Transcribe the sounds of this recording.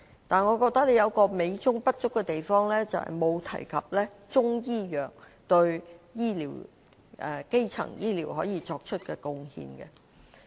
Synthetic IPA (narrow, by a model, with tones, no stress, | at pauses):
t̪aː˨nŋɔː˨˧kɔː˧k̚t̪ɐ˥k̚le˨˧jɐ˨˧wkɔː˧me˨˧jt͡ʃʊ˥ŋpɐ˥t̚t͡ʃʊ˥kːɛ˧t̪e˨jfɔː˥ŋlɛː˥t͡sɐ̰˨whɐ̰˨jmo˨˧wt̪ʰɐ̰˨˩jkʰɐ˨p̚lɛː˥ | t͡sʊ˥ŋjiː˥jœː˨k̚ | t̪ɵ˧ɥjiː˥lḭː˨˩w | ʔɛ˨˩ke˥jt͡sʰɐ̰˨˩ŋjiː˥liː˨˩wɦɔː˨˥jiː˨˧t͡ʃɔː˧k̚t͡ʃʰɵ˥t̚kɛː˧kʊ˨˧ŋhḭː˧nkɛ̰˧